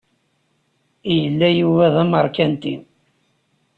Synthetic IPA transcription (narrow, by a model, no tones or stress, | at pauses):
ijəlːæjuvæðæməɾˤkænt̪ḭ